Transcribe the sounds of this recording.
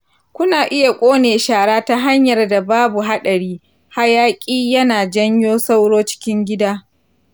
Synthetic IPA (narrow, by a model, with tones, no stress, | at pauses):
kʷʊ˦naː˨ʔɪ˦ja˨kʷʼoː˦neː˨ʃaː˨ɽaː˦ta˦ɦa˦ɲjɐ˨rda˨baː˦bu˨ɦa˦ɗɐ˨ɽiː˦ | ha˦jaː˦kʲʼiː˦jɐ˦naː˨d͡ʒɐ˦ɲjoː˦sa˦wɽoː˦t͡ʃɪ̥˦kʲɪ˦ŋɡʲɪ˦daː˦